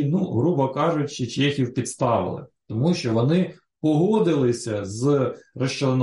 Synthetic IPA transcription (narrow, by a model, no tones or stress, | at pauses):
nuɦɾubɐkɑʒʊtʲt͡ʃɔt͡ʃɛxʲiwpʲid̪st̪ɑʋɪ̰lˠɪ̰t̪ɔmuʃt͡ʃɔʋɔnɪ | pɔɦɔd̪ɪlˠɪsʲɐzrɐʃt͡ʃɔn